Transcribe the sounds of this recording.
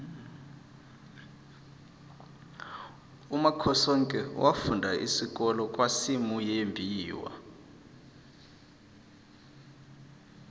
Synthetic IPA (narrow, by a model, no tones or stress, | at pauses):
umakʰɔsɔŋkʼɛwʔafundʱaʔḭsik̬ʼɔlɔkʼwasimujembʱiːwa̰